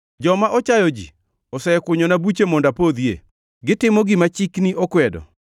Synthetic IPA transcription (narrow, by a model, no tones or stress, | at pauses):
d͡ʒɔmaʔɔt͡ʃajɔd͡ʒḭ | ɔsɛɛkʊɲonabut͡ʃemɔndapod̪jḛ | ɡɪtɪmɔɡɪmat͡ʃikniʔɔkwɛdɔ̰